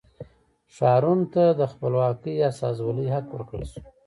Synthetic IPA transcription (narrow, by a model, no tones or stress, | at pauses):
ʃɑɾunt̪ad̪əxpəlwɑkəjɑsɑ̰zwələjɦakwəɾkɽ̰su̥